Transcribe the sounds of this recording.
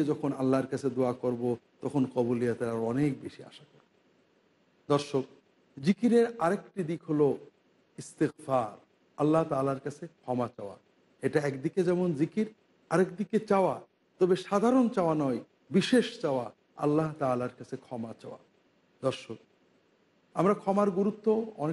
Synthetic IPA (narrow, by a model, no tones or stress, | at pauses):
ed͡ʑɔkʰonalːaɾkat͡ɕʰed̪oakoɾbot̪ɔkʰonkɔboliat̪eɾaɾɔnek̚beʃia̰ʃakoɾbo | d̪ɔɾʃok̚ | d͡ʑikiɾeɾaɾekʈid̪ikɦolo | ist̪iɣfaɾ | alːaɦt̪aːlaɾkat͡ɕʰekʰɔmat͡ɕaoa̰ | eʈaɛkd̪iked͡ʑɛmonzikiɾ | aɾekd̪iket͡ɕaoa | t̪ɔbeʃad̪ʱaɾont͡ɕaoanɔj | biʃeʃt͡ɕaoa | a̰lːaɦt̪aːlaɾkat͡ɕʰekʰɔmat͡ɕa̰oa̰ | d̪ɔɾʃok̚ | amɾakʰɔmaɾɡuɾut̪ːoɔne